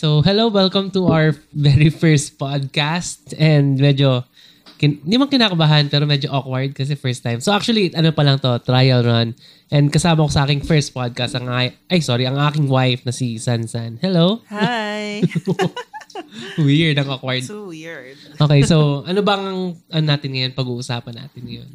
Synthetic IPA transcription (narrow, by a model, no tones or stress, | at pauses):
sowɦɛlowwɛlkɐ̃mt̪uʔawəɹvɛɹifɛɹst̪̚pad̪̚kast̪ɛnd̪mɛd͡ʒo̞ | kɪnnɪmɐŋkɪnaːkɐbaɦɐnpɛːɾomɛd͡ʒoʔokwɐɹd̪̚kɐs̬ɛfɛɹst̪ːajmsowʔak̚t͡ʃuɐliɐnopɐlɐŋt̪o̞t̪ɾaːjɐwnon | ʔɛnd̪̚kɐsaːmɐkosɐʔaːkɪŋfɛɹst̪̚pad̪̚kast̪ɐŋʔajʔajsoːɾiʔɐŋʔaːkɪŋwajfnɐsisansanhɛlowhj | wiɹd̪ɐŋʔokwɐɹd̪̚ | ʔoːkejsowʔɐnobɐŋɐŋʔɐnonaːt̪ɪnŋɐjonpɐɡuːʔʊsaːpɐnːa̰ːt̪ɪnɐjo̰n